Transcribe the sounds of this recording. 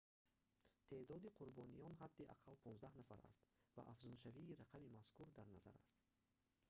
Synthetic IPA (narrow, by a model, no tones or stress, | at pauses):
t̪ʰe̞ʔd̪ɔd̪iqʰuɾbɔnijɔnɦad̪ːiʔa̰qʰalpʰɔnzd̪ahnafa̰ɾa̰st̪va̰ʔafzunʃaviːɾaqʰabimaskʰuɾd̪aɾnaza̰ɾa̰st̪